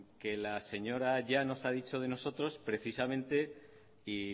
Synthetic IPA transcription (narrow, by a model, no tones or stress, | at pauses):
ke̞lase̞ɲo̞ɾaʝano̞sað̞it͡ʃo̞ð̞e̞no̞so̞t̪ɾo̞spɾe̞θisamẽ̞nt̪e̞ | i